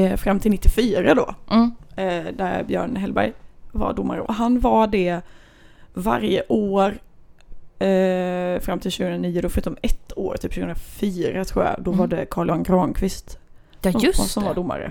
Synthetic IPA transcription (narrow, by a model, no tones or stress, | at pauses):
fɾamːt̪ʰɪlɪt̪ːɪfyːɾad̪ɔ | d̪æɾbjœːɳɦɛlbæ̰jva̰ɖʊmːa̰ɾə̰ʔɔɦanvaɖɛ | va̰ɾjəʔoːɾ | fɾamːt̪ʰɪlɕʉ̟ɡɵnɾaniːʊd̪ɔfœɾʉ̟ːt̪ɔmɛt̪ʰːo̰ːɾt̪ʰiːpɕʉːɡɵənɾafyːɾat̪ʰɾuːa̰a̰d̪ɔvaɖɛkʰɑːɭanɡɾɑːnkʰvɪst̪ | sɔmvad̪ʊmːa̰ɾə̰